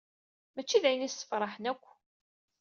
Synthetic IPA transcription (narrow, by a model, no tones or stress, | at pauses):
mæt͡ʃːiðæjənisːə̥fɾˤɑħənækʷː